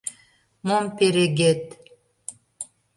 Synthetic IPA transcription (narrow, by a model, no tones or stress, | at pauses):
mompeɾeɡet̪